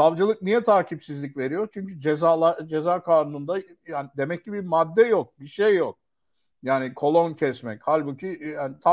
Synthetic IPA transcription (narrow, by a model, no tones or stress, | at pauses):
savd͡ʒɯlˠɯk̚nijɛt̪ʰaːcʰipsizlʲicʲve̞ɾijo̞ɾt͡ʃʰyɲcyd͡ʒezaːlˠad͡ʒe̞zaːkʰaːnunund̪a | jaːnɪd̪e̞mɛcːibimad̪ːɛjok̚biʃejːok̚ | jaːnikʰo̞lˠo̞ncʰɛsmɛchalʲbucʰijaːnɪt̪ʰa